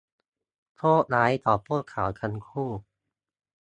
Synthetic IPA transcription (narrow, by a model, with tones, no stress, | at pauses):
t̪ʰoː˥˩naː˨˦˥jt̪ɔː˨˩pːuː˥˩t̪̚kʰaː˩˦wkʰa˧nkʰuː˥˩